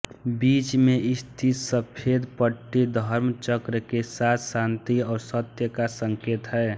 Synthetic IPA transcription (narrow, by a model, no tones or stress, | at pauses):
bit͡ʃmeʔɪst̪ʰit̪səpʰed̪pəʈːid̪ʱəɾmt͡ʃəkɾəkesat̪ʰsãnt̪iɔːɾsət̪jəkasəŋket̪ɦɛː